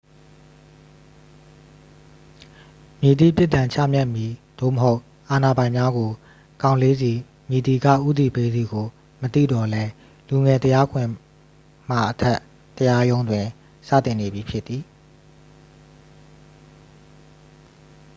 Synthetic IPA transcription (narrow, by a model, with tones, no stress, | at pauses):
mji˨d̪ḭ˦˨pjɪ˦ʔt̪ã˨ɲt͡ɕʰä̰˦˨mja˦ʔmji˨d̪̥o̰˦˨məɦo˦ʊʔ | ʔa˨na˨bã˨ɪ̃mja˦ɡo˨ | kã˨ʊ̃le˦zi˨ | mji˨d̪i˨ɡä̰˦˨ʔṵ˦˨d̪i˨pe˦d̪i˨ɡo˨ | mət̪ḭ˦˨dɔ˨lɛ˦ | lu˨ŋɛ˨t̪əja˦ɡʰwɪ̃˨ | m̥a̰˦˨ʔətʰɛ˦ʔ | t̪ːəja˦jõ˦ʊ̃ndwɪ̃˨ | sä̰˦˨t̪ɪ̃˨ne˨bji˨pʰjɪ˦ʔ̪i˨